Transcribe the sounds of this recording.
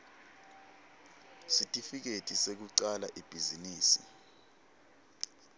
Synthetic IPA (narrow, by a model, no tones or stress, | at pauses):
sitʼifik̬etʼisek̬uǀalaʔib̥ʱiziniːsḭ